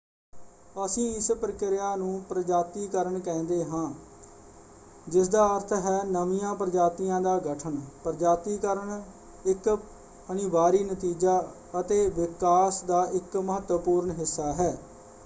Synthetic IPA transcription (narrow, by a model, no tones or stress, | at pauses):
əsĩːɪspɾəkɪɾɪjaːnũːpɾəd͡ʒaːt̪iːkəɾəɳkɛ̃ːnd̪eːɦãː | d͡ʒɪsd̪aːəɾt̪ʰɦɛːnəʋijãːpɾəd͡ʒaːt̪ijãːd̪aːɡəʈʰəɳpɾəd͡ʒaːt̪iːkəɾəɳ | ɪk | əniʋaːɾiːnət̪iːd͡ʒaː | ət̪eːʋɪkaːsd̪aːʔɪkməɦət̪wəpuːɾɳɦɪsːaːɦɛː